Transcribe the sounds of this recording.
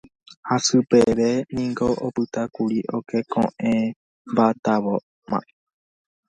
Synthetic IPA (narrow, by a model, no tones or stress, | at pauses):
hasɨpeʋenĩŋɡoʔopɨt̪akuɾiʔokʰekʰõ̰ʔẽ | mbat̪aʋo | mã̰ʔe